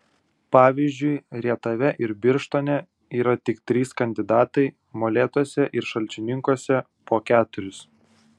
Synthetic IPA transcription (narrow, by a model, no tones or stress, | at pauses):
pɑːʋʲizʲd͡ʒʲʊɪɾʲiɛt̪ɐʋʲɛʔɪɾbʲɪɾʃt̪oːnʲɛ | iːɾɐt̪ʲɪkt̪ʲɾʲiːskɐnʲd̪ʲɪd̪ɑːt̪ɐɪ | moːlʲeːt̪uɔsʲɛʔɪɾʃɐlʲt͡ʃʲɪnʲɪŋkuɔsʲɛ | poːkʲæːt̪ʊɾʲʊs